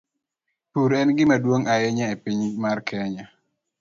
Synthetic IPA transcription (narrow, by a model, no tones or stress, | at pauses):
tuɾɛnɡɪmadwoŋʔaɛɲaepiɲmarkʰɛɲa